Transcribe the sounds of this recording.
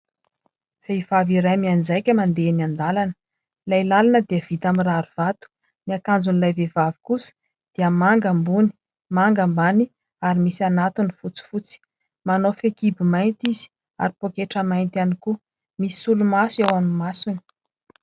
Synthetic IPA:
veiv̥aviɾajmiand͡zajkʲəmand̪enand̪alanə̥ | lajlalanəd̪iəv̥it̪amiraɾuv̥at̪u̥ | niakand͡zunilajvevavi̥kusə̥ | d̪̥iəmaŋɡambuni̥ | maŋɡambani | aɾimisanat̪unifut͡si̥fut͡si̥ | manofekibimajnt̪iz̥i̥ | a̰ɾipokeʈ͡ʂəmajnt̪ianiku | misi̥sulumasewamimasuni̥

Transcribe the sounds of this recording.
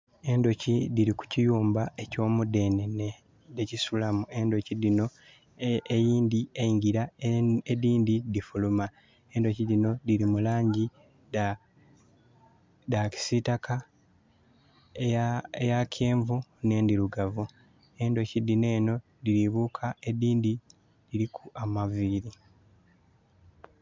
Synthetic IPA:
e̞ndo̞cidiɾiku̥cijuːmbae̞co̞ːmude̞nene | decisulamue̞ndo̞cidino̞ | ejiːndiejiŋɟiɾaediːndidifuluma | e̞ndocidino̞diɾimulaːɲɟi | da | daci̥sitaka | ejakʰe̞ːɱvune̞ːndiɾuɡavu | e̞ːndo̞cidːine̞ːno̞ | diɾiβuːkʰae̞diːndi | diɾikʰuamaviːɾi

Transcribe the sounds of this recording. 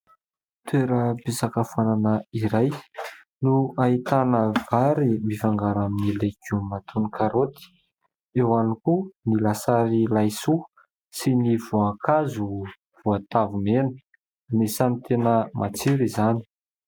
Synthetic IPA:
t̪weɾəbisakəfananəiɾaj | nuait̪anəvaɾimifaŋɡaɾaminilekumat̪ʰunikʰaɾot̪i̥ | ewanikunilasaɾilajsu | sinivuakʰazu | v̥uat̪avumenə̥ | nesanit̪enəmʔat͡siɾizani̥

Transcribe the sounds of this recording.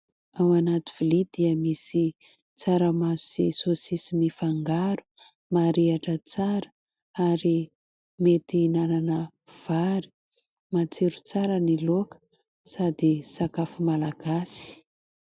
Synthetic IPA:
awanat̪ivilid̪iəmisi | t͡saɾəmazuz̥esosisimifaŋɡaɾu̥ | maɾiaʈ͡ʂət͡saɾə̥ | aɾi | met̪inananə | v̥aɾi̥ | mat͡seɾut͡saɾənilokə̥ | sad̪isakafumalaɡ̥asi̥

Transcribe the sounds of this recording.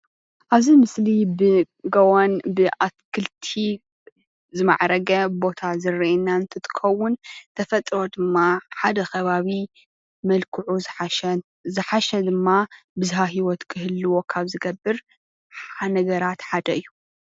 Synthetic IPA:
ʔaβzimɨslibɨ | ɡɐwanbɨʔat̪kʰɨlt̪ʰi | zɨma̰ʕɾɐɡɐbo̞t̪ʰazɨrːiʔinːaɨnt̪ʰɨt̪ʰɨ̥xɐwːʊnt̪ʰɐfɐt̪ʼɾo̞d̪ɨmːaħad̪ɐxʰɐβaβi | mɐlkʰɨʕu | zɨħaʃɐd̪ɨmːa | bɨzɦaɦiwɔt̪kʰɨhɨlːɨwo̞kʰaβzɨɡɐbːɨɾ | ħanɐɡɐɾat̪ħad̪ɐɨjːu

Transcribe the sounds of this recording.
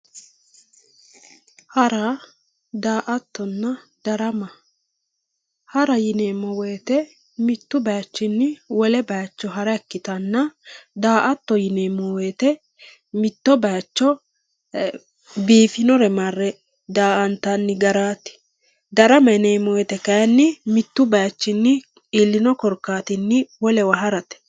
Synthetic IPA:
hɐɾa | d̪aːʔɐt̪ːɔnːɐ | d̪̥ɐɾɐmɐ | hɐɾɐjɪneːmːɔwejːt̪ɛ | mɪt̪ːʊbɐjɐt͡ʃːɪnːɪwɔlɛbɐjɐt͡ʃːɔɦɐɾɐɛkːɪt̪ɐnːɐd̪aːʔɐt̪ːɔjɪneːmːɔweːt̪ɛ | mɪt̪ːɔbɐjɐt͡ʃːɔ | biːfɪnɔɾɛmarːɛ | d̪aːʔɐnt̪ːɐnːɪɡɐɾaːt̪ːɪ̥ | d̪ɐɾɐmɐneːmːɔwɛt̪ɛkɐjɐnːɪmɪt̪ːʊbɐjɐt͡ʃːɪnːɪ | ɪlːɪnɔkɔɾkːaːt̪ɪnːɪwɔlɛwɐɦɐɾɐt̪ɛ̥

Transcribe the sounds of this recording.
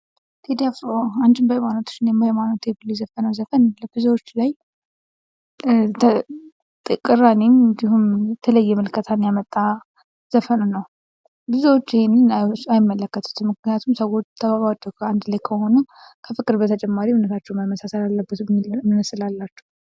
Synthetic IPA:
t̪ʰed̪afɾoant͡ʃɨmbajmanot̪ʰu̥t͡ʃːɪnɛməjmano̞t̪jɛbəlːujzəfənəwzəfənləbɨzuwot͡ʃːlaj | ə | t̪ʼɨkʼɨranemɨnd̪ihumɛt̪ʰələjːɛmɨlkʰət̪ʰanjamət̪ʼːa | z̥əfənunəw | bɨzuwot͡ʃːihe̞nːɨnajɪmːələkːət̪ʰu̥t̪mɨknijat̪ʰumsəwo̞t͡ʃːt̪ʰəbaβad͡ʒːəkʰəand̪lajkʰəho̞nukʰəfɨkʼːɨɾbət̪ʰət͡ʃʼɛmːaɾiunət̪ʰat͡ʃːɛwmajmːəsasəlalːəbət̪mnəsɨlalːat͡ʃːɛ̥wu

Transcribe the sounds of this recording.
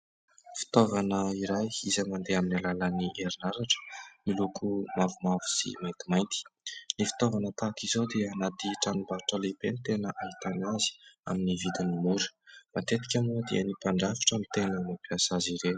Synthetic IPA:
fi̥t̪ovanəiɾajizajmand̪eaminalaləniʔeɾinaɾaʈ͡ʂə̥milukʰumavumavu̥sḭmajnt̪imajnt̪i̥lifi̥t̪ovanət̪akizod̪eənad̪iʈ͡ʂanubaɾuʈ͡ʂəlebenit̪enəʔaɦit̪anazi̥a̰minivid̪inimuɾu̥mat̪et̪i̥kʲamuəd̪ḛənipaɳɖ͡ʐafi̥ʈ͡ʂəmit̪enənapiasaziɾe

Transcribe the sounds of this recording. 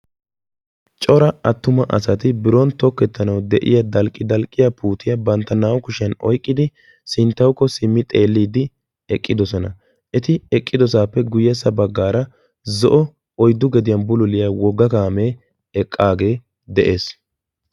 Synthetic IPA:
t͡ʃʼɔɾɐɐt̪ːʊmɐʔɐ̰sɐt̪ɪbɪɾɔnt̪ɔkːɛt̪ːɐnɐwd̪ɛʔɪ̰jɐd̪ɐlkʼːɪd̪ɐlkʼːɪjapuːt̪ɪjɐbɐnt̪ːɐnaːwkʊʃɪɐnɔ̰jkʼːɪd̪ɪ | sɪnt̪ːɐwkːɔsɪmːɪt̪ʼe̞ːlːiːd̪ɪ | ɛkʼːɪd̪ɔsɔnɐ | ʔɛt̪ɪɛkʼːɪd̪ɔsaːpːɛɡʊjːɛsːɐbɐɡːaːɾɐ | zɔʔɔ | ɔjd̪ːʊɡɛd̪ɪjɐnbʊlʊlɪjawɔɡːɐkaːmeː | ɛkʼːaːɡe̞ː | d̪ɛʔe̞ːs

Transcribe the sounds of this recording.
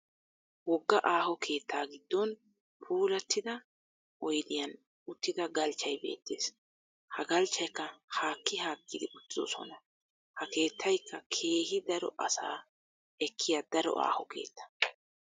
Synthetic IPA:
wɔɡːɐʔaːɦɔkʰe̞ːt̪ːaːɡɪd̪ːɔn | pʰuːlɐt̪ːɪd̪ɐ | ʔɔjd̪ɪjɐn | ʊt̪ːɪd̪ɐɡɐlt͡ʃːɐjbe̞̰ːt̪ːḛːs | hɐɡɐlt͡ʃːɐjkːɐhaːkːɪhaːɡːɪd̪ɪʊt̪ːɪd̪ɔ̰sɔ̰nɐ | hɐke̞ːt̪ːɐjkʰːɐkʰe̞ːhɪd̪ɐɾɔ̰ʔɐsa̰ː | ɛkʰːɪjad̪ɐɾɔ̰ʔa̰ːhɔkʰe̞̰ːt̪ːɐ̥

